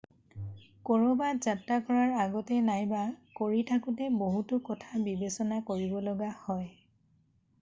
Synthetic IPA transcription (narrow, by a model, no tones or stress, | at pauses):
kɔɹobazatːakɔɹaɹaɡɔtɛnajbakoɹitʰakʊtɛboɦutʊkɔtʰabibesɔnakoɹibɔlɔɡahɔj